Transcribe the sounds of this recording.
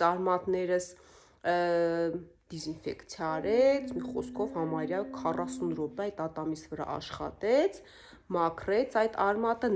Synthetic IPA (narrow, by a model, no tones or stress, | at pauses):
ɑɾmɑt̪nɛɾəs | d̪̥izinfɛ̰kt͡sʰjɑːɾɛt͡sʰmiχɔskʰɔvhɑmɑɾjɑkʰɑrɑsunɾɔpɛɑjt̪ɑt̪ɑmisvəɾɑ̰ʔɑ̰ʃχɑ̰t̪ɛt͡sʰ | mɑkʰrɛt͡sʰɑjt̪ɑɾmɑt̪ə